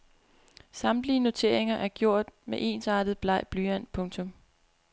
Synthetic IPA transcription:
sɑ̈md̥liːəno̝t͡sʰe̝ɐ̰e̝ŋɐʔæɐɡ̥jɔ̝ɐ̰d̥meʔe̝̰ːnsɑ̈ːd̥ð̩ˠb̥lɑ̈ɪ̰b̥lyːæn̰pʰɔ̽ŋt͡sʰɔ̽m

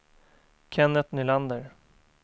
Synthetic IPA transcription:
kʰɛnːət̪nʏland̪əɾ

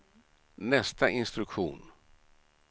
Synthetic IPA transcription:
nɛst̪aʔɪnst̪ɾɵkɧuːn

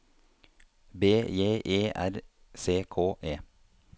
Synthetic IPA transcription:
beːjeːʔeːʔæ̰ɾ | seːkʰoːʔeː

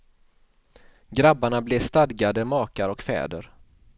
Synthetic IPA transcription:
ɡɾabːaɳableːst̪ad̪ɡad̪əmɑːkaɾɔkfɛ̰ːd̪əɾ

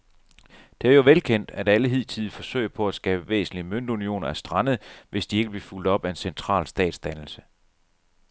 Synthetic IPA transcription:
d̥e̝æɐjo̝ʋelkʰen̰d̥æd̥æləɦið̰ˠt͡sʰiðˠfɒ̽sø̰ɪɐpʰɒ̽æsɡ̥ɛ̰ːb̥əʋḛːsn̩liəmøn̰d̥unio̝̰ːnɐæsd̥ʁɑ̈nəð̩ˠʋʔe̝sd̥ie̝ɡəb̥liful̰d̥ɒ̽b̥æe̝nsent͡sʰʁɑ̰̈ːlsd̥ɛ̰ːd̥sd̥ænl̩sə̥

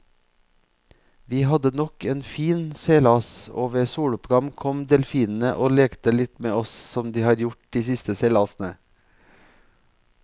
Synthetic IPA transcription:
ʋiːhɑd̪ənɔkeːnfiːnseːlɑːso̰ːʋəsuːɽʊpɡɑmkʰɔmd̪ɛlfiːnn̩əʔoːleːkt̪əlɪt̪meːɔssɔmd̪iːhɑːɾjʊʈ̚d̪iːsɪst̪əseːlɑːsn̩ə

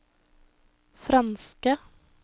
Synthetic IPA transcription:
fɾɑnskə

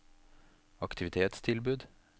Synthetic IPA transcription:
ɑkt̪ʰɪʋɪt̪ʰeːt̪st̪ʰɪlbʉːd̪

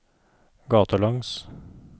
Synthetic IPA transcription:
ɡɑːt̪əlɑŋs

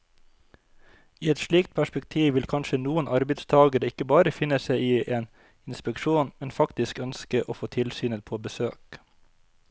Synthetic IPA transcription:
iːɛt̪ʃɭiːkt̪̚pʰæʃpɛk̚t̪ʰiːʋʋɪlkʰɑnʃənuːənʔɑɾbɛɪd̪st̪ʰɑːɡəɾəɪkəbɑːɾəfɪnəsæɪiːʔeːn | ɪnspɛkʃuːnmɛnfɑkt̪ɪskœnskəʔoːfoːt̪ʰɪlsyːnət̪̚pʰoːbəsøːk

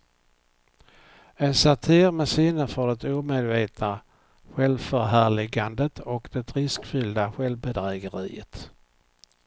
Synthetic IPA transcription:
ɛnsat̪ʰɪːɾmɛsɪnəfœɖɛt̪uːmed̪veːt̪na | ɧɛlvfœɾɦæːɭɪɡand̪ət̪ʰɔkd̪ɛt̪ʰɾɪskfʏld̪aɧɛlvbɛd̪ɾɛːɡəɾḭːə̰t̪

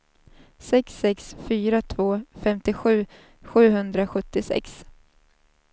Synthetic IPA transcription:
sɛksɛksfyːɾat̪ʰvoːfɛmt̪ɪɧʉ̟ː | ɧʉ̟ːɦɵnd̪ɾaɧɵt̪ːɪsɛ̰ks

